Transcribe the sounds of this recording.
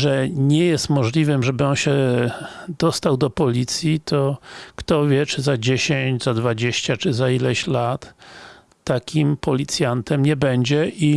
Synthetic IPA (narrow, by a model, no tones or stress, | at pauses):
ʐɛɲɛjɛst̪mɔʐlʲivɘmʐɛbɘɔnɕɛ | d̪ɔst̪awd̪ɔpɔlʲit̪sʲjit̪ʰɔkt̪ɔvʲjɛt͡ʂɘzad͡ʑeɕeɲd͡ʑzad̪vad͡ʑeɕt͡ɕat͡ʂɘzailɛɕlat̪ː | akʲimpʰɔlʲit̪sʲjant̪ɛmɲɛbɛɲd͡ʑɛʔi